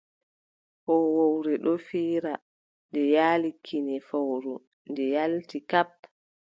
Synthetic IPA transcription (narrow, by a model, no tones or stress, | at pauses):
hɔwowɾɛɗɔfiːɾa | ndɛjaːlikʰːinɛfawɾu | ndɛjaltikap